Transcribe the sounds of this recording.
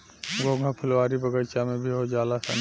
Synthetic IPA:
ɡoːɡʱãpʰʊlʋaːɾibəɡəɽt͡ʃamẽbʱiɦod͡ʒaːlasa̰n

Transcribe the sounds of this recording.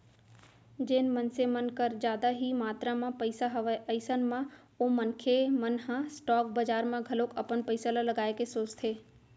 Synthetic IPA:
d͡ʒeːnmənsemənkəɾd͡ʒjaːd̪aɦimaːt̪ɾamãpəɪsaɦɐʋəɪsənmã | omənkʰemənɦãsʈɔːk̚bəd͡ʒaːɾmãɡʱɐloːkɐpənpəɪsalalɐɡaːekesoːt͡ʃt̪ʰeː

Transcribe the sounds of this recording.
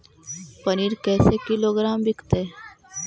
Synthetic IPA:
pəniːɾkɛːsekɪloːɡɾaːmbʱɪkt̪eː

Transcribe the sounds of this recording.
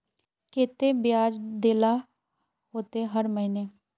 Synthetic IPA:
keːt̪ebɪjaːd͡ʒd̪eːla | ɦoːt̪eɦəɾməɦɪneː

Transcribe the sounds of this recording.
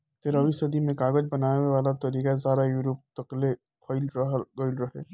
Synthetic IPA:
t̪eɾɐʋisɐd̪imẽkaːɡəd͡ʒbɐnaːeeʋaːlat̪ɐɾiːkazjaːd̪ajuɾoːp̚t̪əkle | kʰɔɪlɡəɪlɾɐɦḛː

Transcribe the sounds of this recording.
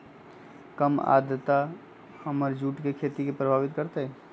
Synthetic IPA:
kəma̰ːd̪ət̪a | həməɾd͡ʒuːʈkekʰeːt̪ikepɾəbʱaːʋɪt̪kəɾt̪eɦɛː

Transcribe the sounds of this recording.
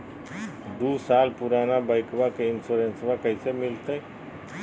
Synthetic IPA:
d̪uːsaːlpʊɾaːnabəɪkʋakeɪnsoːɾensʋakəɪsemɪlt̪ə

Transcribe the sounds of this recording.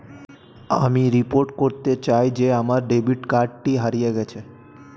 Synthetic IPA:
a̰miɾipoɾʈkoɾt̪et͡ɕajd͡ʒeamaɾɖebiʈkaɾɖʈiɦaɾijeɡɛt͡ɕʰe

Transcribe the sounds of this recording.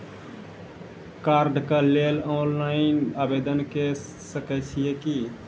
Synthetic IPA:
kaɾɖkəlelonlaɪnabed̪ənke | səkət͡ʃʰijeki

